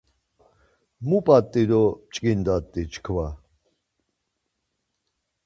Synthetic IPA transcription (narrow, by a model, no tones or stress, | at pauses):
mupʼat̪ʼːiɾɔt͡ʃʼkʼind̪at̪ʼːit͡ʃʰkʰva